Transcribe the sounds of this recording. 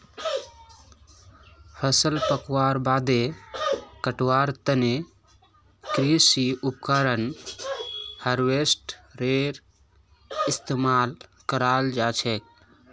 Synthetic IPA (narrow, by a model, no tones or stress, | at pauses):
hʰəsəlpəkwaːɾbaːd̪e | kəʈwaːɾt̪əne | kɾisiup̚kəɾən | həɾwesʈɾeɾ | ɪst̪emaːlkəɾaːld͡ʒaːt͡ʃʰek̚